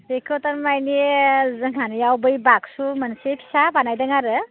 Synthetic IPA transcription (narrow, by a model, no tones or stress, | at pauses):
ɾekʰotaɾmajnezɯŋanjawbɯjbak̚sumənsepʰi̥sabanajdaŋaɾɯ